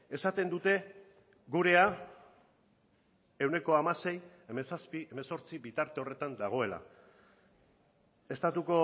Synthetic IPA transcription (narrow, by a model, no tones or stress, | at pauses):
e̞sat̪e̞nd̪ut̪e̞ | ɡuɾe̞a | e̞wne̞ko̞amase̞j | e̞mesaspie̞meso̞ɾt͡sibit̪aɾt̪e̞o̞re̞t̪and̪aɣ̞o̞e̞la̰ | e̞st̪at̪uko̞